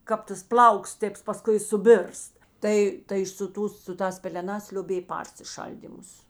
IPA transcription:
ˈkɐp tɐs ˈplˠɐʊks ˈtʲeːps pɐˈskʊɪ sʊˈbʲɪrst ˈtɐɪ tɐɪ sʊ ˈtuːs sʊ ˈtɑːs pʲɛlʲɛˈnɑːs lʲoːˈbʲeːj ˈpɐrʲsʲɪˌʃɐlʲdʲiːmʊs

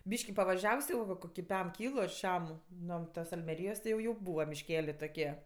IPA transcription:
ˈbʲiːʃʲkʲɪ pɐʋɐˈʒʲɛws jɛʊ ʋɐ ˈkoːkʲɪ ˈpʲɛm ˈkʲiːlˠʊ ɐr ˈʃʲɛm ˈnoː ˈtɐs ɐlʲmʲɛˈrʲiːjoːs tʲɪ jɛʊ ˈjɛʊ ˈbuːʋɐ mʲɪʃʲˈkʲæːlʲeː toːˈkʲiɛ

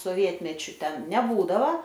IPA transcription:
soːˈʋʲiɛtʲmʲɛt͡ʃʲʊ ˈtʲɛn nʲɛˈbuːdɐʋoː

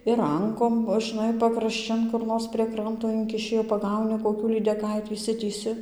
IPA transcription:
ɪr ˈrɐŋkoːm ʒɨnɐɪ pɐkrɐʃʲˈt͡ʃʲɪn kʊr ˈnoːrs pʲrʲiɛ ˈkrɐntoː ˈɪŋʲkʲɪʃʲɪ jɛʊ pɐˈɡɐʊnʲɪ koːˈkʲuː lʲiːdʲɛˈkɐɪtʲiː ɪʃʲˈsʲɪtʲiːsʲɪ

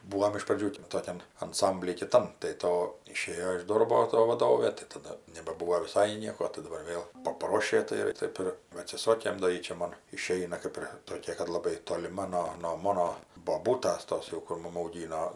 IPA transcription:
ˈbuːoːm ɪʃ prɐˈd͡ʒʲuː ˈtoːkʲɛn ɐnˈsɐmʲbʲlʲiː kʲɪˈtɐm tɐɪ ˈtoː ɪˈʃʲeːjoː ɪʃ ˈdoːrboː toː ʋɐˈdoːʋʲeː tɐɪ tɐˈdɐ nʲɛbɐˈbuːʋoː ʋʲɪˈsɐɪ ˈnʲiɛkoː tɐɪ dɐˈbɐr ˈʋʲeːlˠ pɐˈproːʃʲeː tɐɪ ˈtɐɪp ɪr ʋɐ ɐtʲsʲɪˈsoːkʲeː doː ˈjiː t͡ʃʲɛ ˈmoːn ɪˈʃʲɛɪnɐ ˈkɐɪp ɪr toːˈkʲɛ kɐt lˠɐˈbɐɪ toːlʲɪˈmɐ noː noː ˈmoːnoː boːˈbuːtɐs ˈtoːs jɛʊ kʊr ˈmʊm ɐʊˈɡʲiːnoː

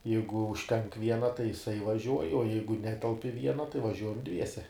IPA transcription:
ˈjɛɪɡʊ ʊʃʲˈtʲɛŋk ˈʋʲiɛnɐ tɐɪ jɪˈsɐɪ ʋɐˈʒʲuɔj oː ˈjɛɪɡʊ ˈnʲæːtʲɛlˠp ɪ ˈʋʲiɛnɐ tɐɪ ʋɐˈʒʲuɔjɛm ˈdʲʋʲiɛsʲɛ

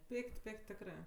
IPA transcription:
ˈpʲɪkʲtʲ ˈpʲɪkʲtʲ ˈtʲæːkrɜ

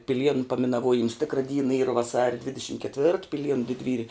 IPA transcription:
pʲɪˈlʲiɛnʊ pɐmʲɪnɐˈʋuɔjɪms ˈtʲɪkrɐ ˈdʲiːnɐ ˈiːrɐ ʋɐˈsɑːrʲɛ ˈdʲʋʲɪdʲɛʃʲɪm kʲɛtʲˈʋʲɪrt pʲɪˈlʲiɛnʊ dʲɪdʲˈʋʲiːrʲɪ

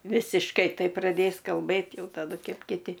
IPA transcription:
ʋʲɪsʲɪʃˈkɐɪ ˈtɐɪp prɐˈdʲeːs kɐlˠˈbɘt ˈjɛʊ tɐˈdʊ ˈkʲɛp kʲɪˈtʲɪ

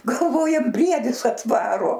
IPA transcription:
ɡɐlˠˈʋoːjɛm ˈbʲrʲiɛdʲɪs ɐtˈʋɑːroː

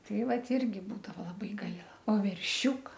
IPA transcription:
ˈtɐɪ ˈʋɐt ˈɪrʲɡʲɪ ˈbuːdɐʋoː lˠɐˈbɐɪ ˈɡɐɪlˠɐ oː ʋʲɛrʲˈʃʲuːkɐ

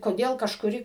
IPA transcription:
koːˈdʲeːlˠ kɐʃkʊˈrʲɪ

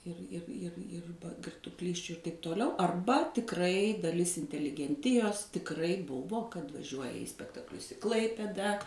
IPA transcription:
ˈɪr ˈɪr ˈɪr ˈɪr ɡʲɪrtuɔˈklʲiːsʲt͡ʃʲʊ ɪr tɐɪp toːˈlʲɛʊ ɐrˈbɐ tʲɪkˈrɐɪ dɐˈlʲɪs ɪnʲtʲɛlʲɪɡʲɛnʲˈtʲɪjoːs tʲɪkˈrɐɪ ˈbʊʋoː kɐt ʋɐˈʒʲuɔjɛ iː sʲpʲɛktɐkˈlʲʊs ɪ ˈklˠɐɪpʲeːdɐ

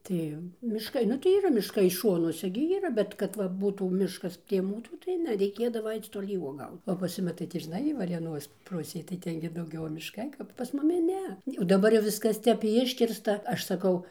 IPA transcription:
ˈtɐɪ mʲɪʃˈkɐɪ ˈnʊ tɐɪ iːˈrɐ mʲɪʃˈkɐɪ ˈʃoːnuɔsʲɛ ɡʲɪ iːˈrɐ ˈbʲɛt kɐt ˈʋɐ ˈbuːtuː ˈmʲɪʃkɐs pʲrʲiɛ ˈmuːsuː tɐɪ ˈnʲɛ rʲɛɪˈkʲeːdɐʋɐ ˈɐɪt͡s toːˈlʲiː uɔˈɡɐʊt oː pɐs ˈjʊmʲɪ tɐɪ tʲɪ ʒʲɪˈnɐɪ ʋɐrʲeːˈnoːs ˈpʊsʲeːj tɐɪ ˈtʲɛn ɡʲɪ dɐʊˈɡʲɛʊ mʲɪʃˈkɐɪ ˈkɐp pɐs ˈmʊmʲɪ ˈnʲɛ oː dɐˈbɐr jɛʊ ˈʋʲɪskɐs ˈtʲɛp ˈɪʃʲkʲɪrstɐ ˈɐʃ sɐˈkɐʊ

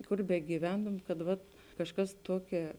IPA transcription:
ˈkʊr bʲɛɡʲiːˈʋʲɛntʊm kɐt ˈʋɐt kɐʃˈkɐs ˈtuɔˌkʲɛ

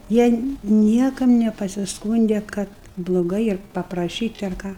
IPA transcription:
ˈjiɛ ˈnʲiɛkɐm nʲɛpɐsʲɪsˈkuːnʲdʲɛ kɐt blˠoːˈɡɐɪ ɪr pɐprɐˈʃʲiːtʲ ɐr ˈkɑː

